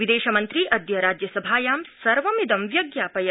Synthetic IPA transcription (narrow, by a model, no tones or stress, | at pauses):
ʋid̪eːʃɐmɐnt̪ɾiʔɐd̪jɐɾaːd͡ʒjɐsɐbʱaːjaːmsɐɾʋɐmid̪ɐmʋjɐɡjaːpɐjɐ